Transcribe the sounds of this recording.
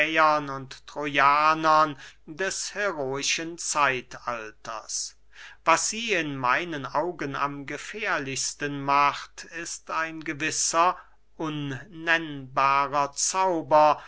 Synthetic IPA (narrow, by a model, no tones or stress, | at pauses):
ɐnʊnttʁ̥ojaːnɐndɛshɛʁoːɪʃənt͡saɪtaltʰɐ̰s | vasz̥iːɪnmaɪnənaʊɡəna̰mɡəfɛːɐlɪçstənmaχtɪstaɪnɡəvɪsɐ | ʔʊnːɛnbaːʁɐt͡saʊbɐ